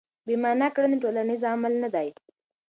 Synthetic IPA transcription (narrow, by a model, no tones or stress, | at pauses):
bimɑnakɽəniʈolanizamalnad̪aj